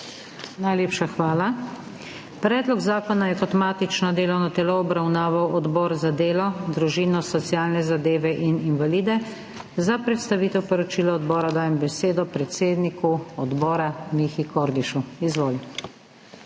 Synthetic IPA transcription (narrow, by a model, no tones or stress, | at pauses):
najleːpʃaxʋaːla | pɾɛːd̪lɔɡzaːkɔnajɛkɔt̪maːt̪it͡ʃnɔd̪eːlɔwnɔt̪ɛlɔɔbɾawnaːʋawɔd̪bɔːɾzad̪eːlɔd̪ɾuʒiːnɔsɔt̪siaːlnɛzad̪eːʋɛʔininvaliːd̪ɛ | zapɾɛt̪st̪aʋiːt̪ɛwpɔɾɔt͡ʃiːlɔɔd̪bɔːɾad̪aːjɛmbɛseːd̪ɔpɾɛt̪seːd̪nikuɔd̪bɔːɾamixikɔɾd̪iʃuizʋoːli